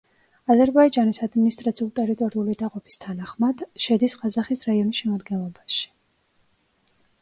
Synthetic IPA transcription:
azɛɾbaid͡ʒanisad̪minist̪ʼɾat̪sʰiulˠt̪ʼɛɾit̪ʼɔɾiulid̪aqʼɔpʰi̥st̪ʰanaχmad̪̥ʃɛd̪isqʼazaχisɾaiɔnisʃɛmad̪ɡɛnlˠɔbaʃi̥

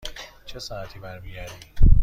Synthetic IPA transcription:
t͡ʃʰesɑːæt̪ʰiːbæɾmijæɾi

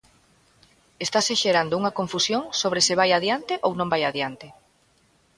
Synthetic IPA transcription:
est̪aseʃeɾand̪ouŋɐkõɱfusjoŋsoβ̞ɾesɪβajaðjant̪ɪʔownõmbajaðjant̪ɪ

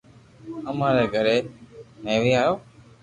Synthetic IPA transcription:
əmaːɾeːɡʱəɾeːneːʋiːaːjoː

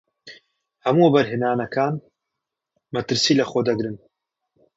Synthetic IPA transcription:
hɐmuːbɐɾɦɨnaːnɐkʰaːn | mɐt̪ɨɾsiːlɐxod̪ɐɡɾɨn

